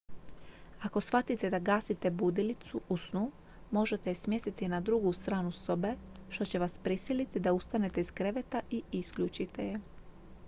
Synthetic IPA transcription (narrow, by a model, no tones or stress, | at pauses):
ako̞sfat̪it̪e̞d̪aɡaːsit̪e̞bud̪ilit̪suʔusnu | mo̞ʒe̞t̪esmje̞st̪it̪inad̪ɾuɡust̪ɾaːnuso̞be̞ʃt̪o̞t͡ɕe̞ʋaspɾisilit̪id̪aust̪ane̞t̪e̞iz̥kɾe̞ʋet̪aʔiiskʎut͡ʃit̪ʰe̞je